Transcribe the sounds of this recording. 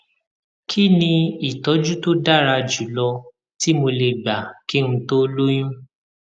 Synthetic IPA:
kʰi˦nĩ˧i˨tɔ˨˦d͡ʒu˦to˦da˦˨ɾa˧d͡ʒu˨lɔ˧ | ti˨˦mo˧le˧ɡ͡ba˨ki˦ñ̩˧to˦lo˦j̃ũ˦

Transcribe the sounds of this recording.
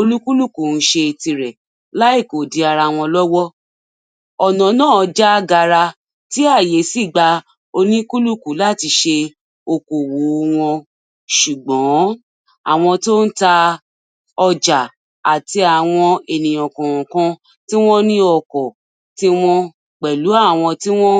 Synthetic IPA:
o˧lu˦ku˦lu˦ku˦˨n̩˦ʃe˧ti˧ɾɛ˨ | la˦i˦˨ko˨di˨˦a˧ɾa˧w̃ɔ̃˧lɔ˦wɔ˦ | ɔ˨nɔ̃˨˦nãː˦˨˧d͡ʒa˦ɡa˧ɾa˧ | ti˦a˦˨je˨˦si˦˨ɡ͡ba˧ | o˧nĩ˦ku˦lu˦˨ku˦˨la˦˨ti˧˦ʃe˧ | o˧ko˨wo˨˦˧w̃ɔ̃˧ | ʃu˨ɡ͡bɔ̃˨˦ | a̰˨w̃ɔ̃˧to˦n̩˦ta˧ | ɔ˧d͡ʒa˨ | a˨ti˧a˨w̃ɔ̃˧e˨nĩ˨j̃ɔ̃˨kã˨ɔ̃˨kã˧˦ | ti˦w̃ɔ̃˦nĩ˦ɔ˧˨kɔ˨ | ti˦w̃ɔ̃˦ | k͡pɛ˨lu˨˦a˦˨w̃ɔ̃˧ti˦w̃ɔ̃˦

